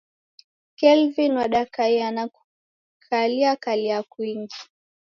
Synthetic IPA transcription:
kɛlvinwaɗakaianaku | kʰaliakaliakwiŋɡi

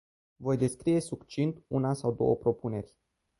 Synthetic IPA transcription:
vo̞jd̪e̞skɾije̞sukt͡ʃint̪ṵnasawd̪o̞̰wə̰pɾo̞pune̞rʲ

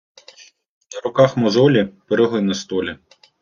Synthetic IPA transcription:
nɐɾʊkɑxmɔzɔlʲipeɾɪɦlˠɪnɐst̪ɔlʲi

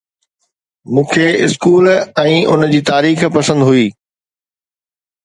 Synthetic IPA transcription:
mũːkʰeɪskuːlɛ̃ːʔʊ̰nd͡ʑiːt̪aːɾiːxpɐsə̃nd̪ɦʊiː

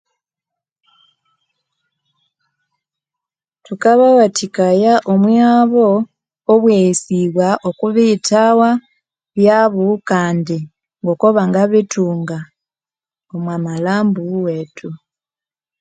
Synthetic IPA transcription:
tukaβawatʰikajaʔomwaːβo̞ | oβwejisiβwaʔokuβitawa | βjaːβukaːndi | ŋɡo̞koβaŋɡaβituːŋɡa | omwamalaːmbuweːtʰu

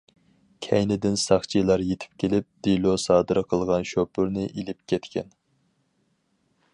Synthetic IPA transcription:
kʲʰɛjnɪd̪ɪnsɑχt͡ʃʰilˠɑɾjet̪ʰɪ̥p̚kʲʰelɪp̚d̪̥ilˠosɑːd̪ɨɾqʰəlˠʁɑnʃopʊɾnɨʔilɪpkʲʰɛt̪kʲɛn

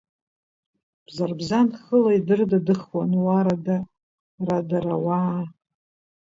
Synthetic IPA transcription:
b̥zarbzanχəlaidɨrdadɨχwanwaɾada | radaɾawa

